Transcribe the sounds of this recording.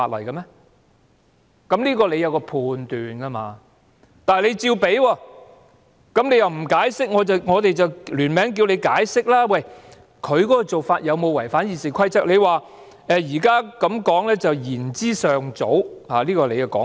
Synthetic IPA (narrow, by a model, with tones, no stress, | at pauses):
faː˧t̚lɐ̰˨˩jkɐ˧mɛː˥ | kɐ˨˥mliː˥kɔː˧le˨˧jɐ˨˧wkɔː˧pʰuː˨nt̪yː˨nkɐ˧maː˧ | t̪aː˨le˨˧jt͡siː˧wpe˨˥jwɔː˧ | kɐ˨˥mnle˨˧jɐ˨wm̩˨˩kaː˨˥jsɪ˥k̚ŋɔː˨˧tɐ˨wŋɔː˨˧t̪e˨jt͡sɐ˨wlyː˨˩nmɛː˨˥ŋk̬i˧wle˨˧jkaː˨˥jsɪ˥k̚laː˥wɐ˨j | kʰɵ˨˧ɥkɔː˨˦˥kɔ˧t͡so˨wfaː˧t̚jɐ˨˧wmo˨˧wɐ˨˩jfaː˨˥njiː˨˧siː˨kʰɐ˥jt͡sɐ˥k̚le˨˧jwaː˨ | ɛː˨jiː˨˩kaː˥kɐ˨˥mkɔː˨˥ŋlɛː˥t͡sɐ˨wjiː˨˩nt͡siː˥sœː˨ŋt͡so˨˥whaː˨liː˥kɔː˧le˨˧jkɐ˧kɔ̰ː˨˥